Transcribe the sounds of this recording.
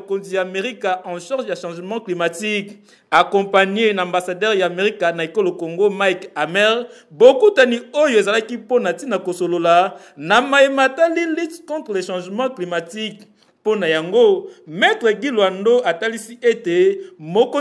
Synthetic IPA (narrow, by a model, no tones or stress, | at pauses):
konzijaːmeʁikaʔɑ̃ʃaʁʒjaʃɑ̃ʒəmɑ̃klimatik | akɔ̃paɲenãmbasadɛʁjameʁikanaekolokoŋɡomaikamɛʁbokutaniojoezalakiponatinakosolola | namajematalilytkɔ̃tχəleʃɑ̃ʒmɑ̃klimatik | ponajaŋɡomɛtʁeɡilwandoʔatalisiʔetemoko